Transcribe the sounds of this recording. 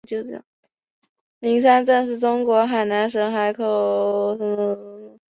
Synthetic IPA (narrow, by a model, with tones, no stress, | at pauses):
t͡ɕjo˥˧ʈ͡ʂə˧˩jɑ̰˥˩ŋ | li˧˥ŋs̬a˥nt͡sa˥˧nʂɻ̩˥˩ʈ͡ʂʊ˥ŋkwɔ˧˥xa˨˩ɪna˧˥nʂə˧˥nxa˧˥ɪkʰo˨˩ʊʂə˧˥nmə˧˥˩